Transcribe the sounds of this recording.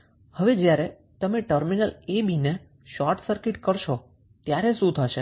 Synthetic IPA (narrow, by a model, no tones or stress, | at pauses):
həʋed͡ʒjaɾe | t̪əmeʈəɾminəlebine | ʃɔɾʈsəɾkɪʈkəɾʃo | t̪jaɾeʃũt̪ʰəʃe